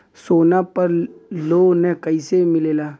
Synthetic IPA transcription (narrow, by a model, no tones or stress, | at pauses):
soːnapəɾloːnɛ̃kəɪsemɪleːlaː